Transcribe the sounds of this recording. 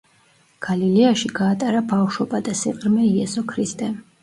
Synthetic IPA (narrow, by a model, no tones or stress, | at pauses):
ɡ̥aliliaʃiɡaːt̪ʼaɾabafʃɔbad̪asiqʼɾmɛiɛsɔkʰɾist̪ʼɛ